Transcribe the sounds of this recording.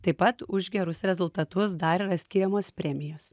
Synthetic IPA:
t̪ɐɪpɐt̪ʊʒʲɡʲɛɾʊsɾʲɛzʊlˠt̪ɐt̪ʊsd̪ɐɾiɾɐsʲkʲiːɾʲɛmoːspʲɾʲɛmʲɪjoːs

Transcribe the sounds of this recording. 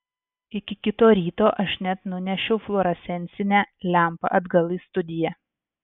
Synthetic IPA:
ɪkʲɪkʲɪt̪oːɾʲiːt̪oːʔɐʃnʲɛt̪nʊnʲɛʃʲʊʊflˠoːɾɐsʲɛnʲsʲɪnʲæːlʲæˑmpɐ̰ʔɐd̪ɡɐlˠiːst̪ʊd̪ʲɪjæ

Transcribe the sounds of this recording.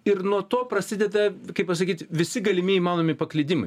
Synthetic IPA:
ɪɾnuɔt̪oːpɾɐsʲɪd̪ʲɛd̪ɐkɐɪppɐs̬ɐkʲiːt̪ʋʲɪsʲɪɡɐlʲɪmʲɪimɑːnoːmʲɪpɐklʲɪd̪ʲɪmɐɪ

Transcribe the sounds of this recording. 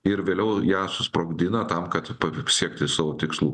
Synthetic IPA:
ɪɾʋʲeːlʲɛʊjæːsʊspɾoːɡd̪ʲɪnɐt̪ɐmkɐt̪pɐsʲiɛkt̪ʲɪsɑːʋoːt̪ʲɪkslˠuː

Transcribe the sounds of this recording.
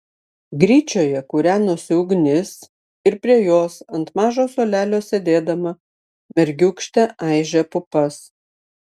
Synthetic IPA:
ɡɾʲiːt͡ʃʲoːjɛkʊɾʲæːnʊsʲɪʊɡnʲɪs | ɪɾpʲɾʲiɛjoːsɐnt̪mɑːʒoːsoːlʲæːlʲoːsʲed̪ʲeːd̪ɐmɐ | mʲɛɾʲɡʲʊkʃʲt̪ʲɛʔɑɪʒʲɛpʊpɐs

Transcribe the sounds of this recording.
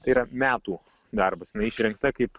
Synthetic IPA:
t̪ɐɪiɾɐmʲæːt̪uː | d̪ɐrbɐsjɪnɐɪɪʃʲɾʲɛŋk̚t̪ɐkɐɪp

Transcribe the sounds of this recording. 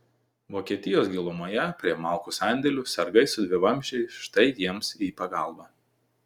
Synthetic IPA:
ʋoːkʲiɛt̪ʲɪjoːsɡʲilˠʊmoːjɛpʲɾʲiɛmɑˑlˠkusɑˑnʲd̪ʲɛlʲʊːsɐɾɡɐɪsʊd̪ʲʋʲɪʋɐmʲʒʲɛɪʃt̪ɐɪjiɛmsiːpɐɡɑˑlˠbɑː

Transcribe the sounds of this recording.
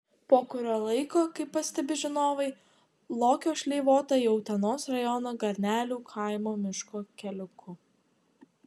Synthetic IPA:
poːkʊɾʲoːlˠɐɪkoːkɐɪpːɐsʲt̪ʲɛbʲɪʒʲɪnoːʋɐɪ | lˠoːkʲoːʃʲlʲɛɪʋoːt̪ɐoʊt̪ʲɛnoːsɾɐjɔnɐɡɐɾʲnʲæːlʲuːkʰɐɪmoːmʲɪʃkoːkʲɛlʲʊkʰʊ

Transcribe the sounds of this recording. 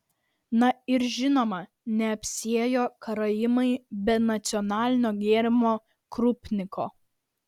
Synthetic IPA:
nɐɪɾʒʲɪnoːmɐ | nʲɛɐpʲsʲiɛjoːkɐɾɐjɪmɐɪbʲɛnɐt̪sʲɪɔnɑːlʲɪnʲoːɡʲeːɾʲɪmoː | kɾʊpʲnʲɪkʰo̰ː

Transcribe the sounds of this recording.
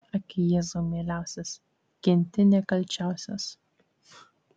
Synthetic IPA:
ɐkʲɪjɛːzomʲeːlʲæˑʊsʲɛs | kʲɪnʲt̪ʲɪnʲɛkɐlʲt͡ʃʲæˑʊsʲos

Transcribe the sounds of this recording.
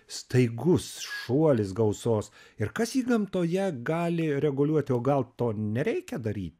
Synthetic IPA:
st̪ɐɪɡʊsʃuɔlʲɪsɡɐʊsoːsɪɾkɐsjiːɡɐmt̪oːjɛɡɑːlʲɪɾʲɛɡʊlʲuɔt̪ʲɪoːɡɐlˠt̪oːnʲɛɾʲɛɪkʲɛd̪ɐɾʲḭːt̪ʲ

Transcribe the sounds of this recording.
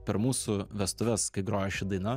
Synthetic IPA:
pʲɛɾmuːsʊʋʲɛst̪ʊʋʲɛskɐɪɡɾoːjɛʃʲɪd̪ɐɪnɐ

